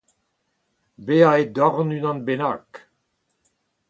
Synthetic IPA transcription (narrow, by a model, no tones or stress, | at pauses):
beaed̪ɔʁnynɑ̃nbena̰k